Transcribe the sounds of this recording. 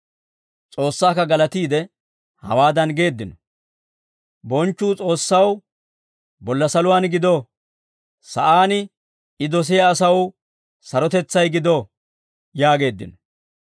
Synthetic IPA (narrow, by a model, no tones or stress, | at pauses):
t͡sʼo̞ːsːaːkːɐɡɐlɐt̪iːd̪ɛ | hɐ̰waːd̪ɐnɡe̞ːd̪ːɪnɔ | bɔnt͡ʃːuːt͡sʼo̞ːsːɐw | bɔlːɐsɐlʊwaːnɡɪd̪o | sɐʔaːnɪ | ɪd̪ɔs̬ɪjaːsɐw | sɐɾɔt̪ɛt͡sːɐjɡɪd̪o | jaːɡe̞ːd̪ːɪ̰nɔ